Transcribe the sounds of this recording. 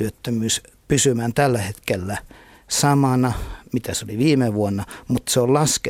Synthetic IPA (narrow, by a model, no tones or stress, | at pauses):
yøt̪ːømyːs | pysymæːnt̪ælːæhet̪kelːæ | sɑmɑnɑmit̪æseoliʋiːmeʋuonːɑmut̪seollɑske